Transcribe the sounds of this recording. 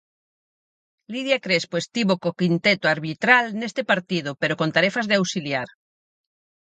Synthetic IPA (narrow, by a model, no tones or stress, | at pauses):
liðjakɾespwest̪iβokokint̪et̪oaɾβit̪ɾalnest̪epaɾt̪ið̞opeɾokont̪aɾefazðeawsiljaɾ